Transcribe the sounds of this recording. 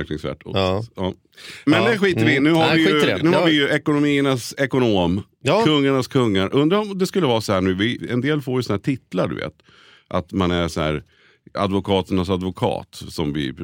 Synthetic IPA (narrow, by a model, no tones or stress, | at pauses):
ɾknɪŋsvæ̰ːʈɔ̰ɑː | mɛnd̪ɛɧiːt̪əɾvɪnʉ̟ːhaɾvɪjɵnʉ̟ːhaɾvɪjɵʔɛkʊnʊmiːəɳasɛkʊnoːm | kʰɵŋːaɳaskʰɵŋːaɾʔɵnd̪ɾaɾɔmd̪ɛskɵlːəvɑːsɔhæːɳʉ̟ːvɪɛ̰nd̪eːlfoːɾjəsɔnahæːʈʰɪt̪la̰ɖɵ̰vḛːt̪ | ʔat̪manæɾʂɔhæ̰ːɾ | a̰d̪vʊkʰɑːt̪ənasad̪vʊkʰɑ̰ːt̪sɔmvɪ̰